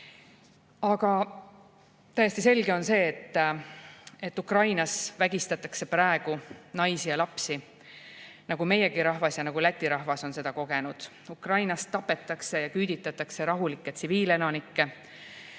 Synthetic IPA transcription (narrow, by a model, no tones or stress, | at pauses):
ɑɡ̥ɑ | t̪æjesʲt̪ise̞lɡe̞o̞nse̞ːt̪ː | e̞t̪ːukrɑjnɑsvæɡ̥ist̪ɑt̪ːˑɑkse̞prɑe̞ɡ̥unɑjsijɑlɑpsi | nɑɡ̥ume̞je̞ɡiɾɑhvɑsjɑnɑɡ̥ulæt̪ʲːiɾɑhvɑso̞nse̞d̪̥ɑko̞ɡ̥e̞nud̪̥ | ukrɑjnɑst̪ːɑpːe̞t̪ːˑɑkse̞jɑkyːd̪̥it̪ːˑɑt̪ːˑɑkse̞ɾɑɦulikːet̪siviːle̞nɑnikːe̞